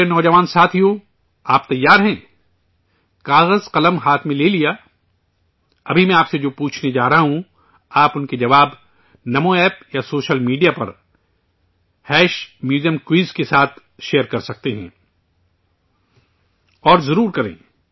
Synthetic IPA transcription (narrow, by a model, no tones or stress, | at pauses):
enɔːd͡ʒɐʋaːnsaːt̪ʰijõ | aːp̚t̪ɐjːaːɾɦɛ̃ː | kaːɣəzqɐləmɦaːt̪ʰmẽleːlija | ɐbʱimɛ̃aːpsed͡ʒoːpuːt͡ʃʰned͡ʒaːɾɐɦaɦũ | aːpʊnked͡ʒɐʋaːb | nɐmõɛːpjasoːʃəlmiːɖijapɐ̰ɾ | hɛːʃmjuːzijə̃mkwiːzkesaːt̪ʰ | ʃeːəɾkɐɾsɐk̚t̪eɦɛ̰̃ː | ɔːɾzɐɾuːɾkɐɾḛ̃ː